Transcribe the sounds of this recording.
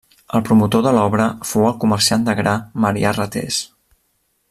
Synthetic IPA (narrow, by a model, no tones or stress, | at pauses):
əlˠpɾumut̪oðəlɔβɾəfowəlˠkuməɾsiand̪əɣɾaməɾḭarət̪ḛs